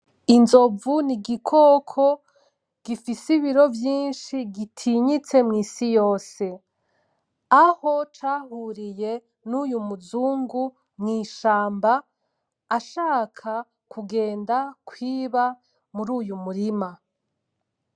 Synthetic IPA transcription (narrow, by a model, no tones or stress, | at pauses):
inzo̞vuniɡikʰokʰo | ɡ̥ifisiβiɾo̞vjiːnʃiɡitʰiɲit͡se̞mŋiːsijo̞ːse̞ | aho̞t͡ʃaːhuːɾije̞ | nuːjumuzuːŋɡu | mŋiːʃaːmbaː | ʃaːkʰa | kʰuɡe̞ːndakwiːβa | muɾuːjumuɾima